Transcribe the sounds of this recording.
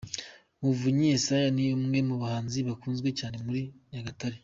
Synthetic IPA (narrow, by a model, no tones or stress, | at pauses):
muvuɲeːsajaniumŋe̞muβahaːnziβakuːnzɡwe̞caːne̞muɾijaɡataɾi